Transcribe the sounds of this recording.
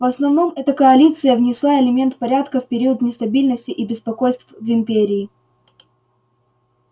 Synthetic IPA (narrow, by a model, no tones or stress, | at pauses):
vɐsnɐvno̞mɛt̪əkəɐlʲit̪sɨjəvnʲɪslˠaɪlʲɪmʲe̞nt̪pɐɾʲat̪kəfpʲɪɾʲiət̪nʲɪst̪ɐbʲilʲnəsʲtʲɪʔibʲɪspɐkojst̪vvɪmʲpʲeɾʲɪː